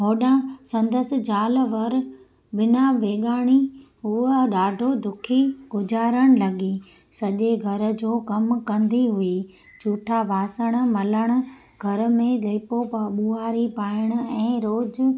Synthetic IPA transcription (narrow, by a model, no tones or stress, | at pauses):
ɦoːɗãsɐ̃nd̪əsɪ̆d͡ʑaːlʋɐɾ | bɪnaʋeːɠaːɽ̃iɦuəɗaːɖʱod̪ʊkʰiɡ̥ʊd͡ʑaːɾəɽ̃lɐɠi | sɐʄeɡʱɐɾə̆d͡ʑoːkɐmkɐ̃nd̪iɦʊi | t͡ɕuːʈʰabʱaːsəɽ̃̆mɐləɽ̃ʊ̆ | ɡʱɐɾ̆mẽleːpopɐɓuːaːɾipaːɪɽ̃ʊ̆ɛ̃ːɾoːd͡ʑ